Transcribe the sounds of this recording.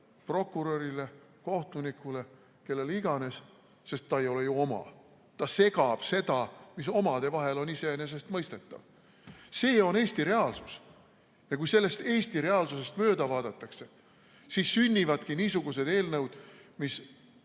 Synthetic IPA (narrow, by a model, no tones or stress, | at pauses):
pro̞kːuɾoɾile̞ | ko̞ht̪unikːule̞ | ke̞lːe̞liɡ̥ɑne̞s | se̞st̪ːɑe̞jo̞lejuo̞mɑ̰ | t̪ɑse̞ɡɑb̥se̞d̪̥ɑmiso̞mɑd̪̥e̞vɑɦe̞lo̞nise̞ene̞s̬e̞st̪mɤjst̪e̞t̪ːɑ̰v | se̞ːo̞ne̞ːst̪iɾe̞ɑlsus | jɑkujse̞lːe̞st̪e̞ːst̪iɾe̞ɑlsuse̞st̪mø̞ːd̪ɑvɑːd̪ɑt̪ːˑɑkse̞ | sisːynʲːivɑd̪̥kiniːsuɡ̥use̞d̪e̞ːlnɤwd̪̥mis